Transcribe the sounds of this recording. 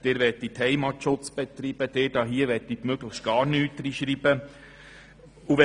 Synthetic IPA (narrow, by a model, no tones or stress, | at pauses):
d̥eːɾʋɛtːit̪hɛɪmɑtʃʊt͡sb̥ɛt̪ɾiːb̥əd̥̪eːd̥ɑːɦiəʋɛtːit̪møɡləxʃtɡ̥ɑːɾnyyt̪ːəɾiʃɾiːbə | uʋɛ